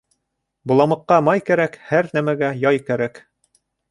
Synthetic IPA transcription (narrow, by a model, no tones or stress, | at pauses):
bŭlˠɑmɤ̆qːɑmɑjkæɾækhæɾnæmæɡæjɑjkæɾæk